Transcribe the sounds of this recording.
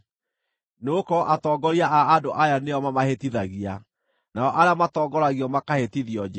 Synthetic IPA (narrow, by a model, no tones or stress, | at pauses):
nokɔʔatɔːɡɔɾiaʔaːdoʔajaneɔmamahetiðaɣia | naɔʔaɾeamatɔːɡɔɾaɣiɔmakahetiðiɔd͡ʒɛ